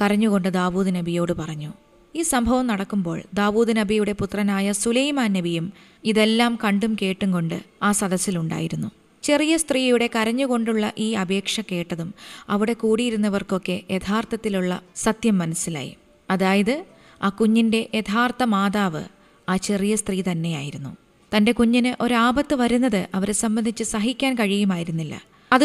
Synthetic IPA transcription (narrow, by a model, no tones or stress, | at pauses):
kɐɾɐɲːuɣo̞ɳɖɨd̪aːʋuːd̪ɨnɐbʱijo̞ːɽɨpɐrɐɲːu | iːsɐmbʱɐʋɐmnɐɽɐkːumbo̞ːɭd̪aːʋuːðɨnɐbʱijuɽe̞put̪rɐnaːjɐsulɐjmaːnːɐbʱijum | iðe̞lːaːmkɐɳɖumke̞ːʈːuŋɡo̞ɳɖɨ̰aːsɐd̪ɐsːiluɳɖa̰ːjiɾunːu | t͡ɕe̞rijɐst̪riːjuɽe̞kɐɾɐɲːuɣo̞ɳɖuɭːɐʔiːɐbʱe̞ːkʂɐke̞ːʈːɐðumɐʋiɽe̞kuːɽijiɾunːɐʋɐrko̞kːe̞ʔet̪ʰaːrt̪ɐt̪ːiluɭːɐsɐt̪jɐmːɐnɐsːila̰ːjḭ | ɐðaːjɐðɨ | aːkuɲːinde̞ʔet̪ʰaːrt̪ɐmaːðaːʋɨ̰ | aːt͡ɕe̞rijɐst̪riːt̪ɐnːe̞ja̰ːjiɾunːu | t̪ɐnde̞kuɲːinɨʔo̞ɾuaːbɐt̪ːɨʋɐɾunːɐðɨʔɐʋɐɾsɐmbɐnd̪ʱit͡ɕːɨsɐɦikʲːaːnkɐɻijumaːjiɾunːilːɐ̰ | ɐð